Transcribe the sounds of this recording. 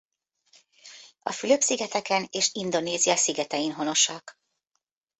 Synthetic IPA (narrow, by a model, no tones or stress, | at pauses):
ɒfyløpsiɡɛt̪ɛkɛneːʃind̪o̞neːzijɒsiɡɛt̪ɛjinɦo̞no̞ʃɒk